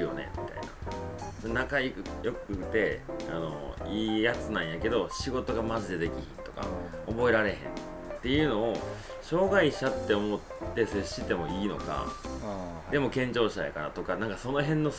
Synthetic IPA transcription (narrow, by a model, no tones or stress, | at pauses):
ɯjo̞̰ne̞̰mʲit̪a̰ina̰sonakaikɯjo̞kɯ̥ɯt̪e̞ano̞̰iːjat͡sɨnãɰ̃jake̞d̪o̞ɕiɡo̞t̪o̞ɡamazɨd̪ed̪e̞kʲiçĩnt̪o̞̥ka̰obo̞e̞ɾaɾe̞ɦẽ̞̰n | t̪ːe̞jɯ̟ːno̞ː | ɕo̞ːɡaiɕat̪ːe̞o̞mo̞t̪ːe̞se̞ɕit̪e̞mo̞iːno̞̰ka̰ | d̪e̞mo̞kẽɲ̟d͡ʑo̞ːɕi̥t̪a̰ja̰kaɾa̰t̪o̞kanãŋkaso̞no̞ɦẽ̞nːo̞